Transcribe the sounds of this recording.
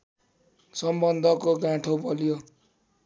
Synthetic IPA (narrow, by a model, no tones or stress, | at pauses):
sʌmbʌnd̪ʱʌkoɡãʈʰobʌljo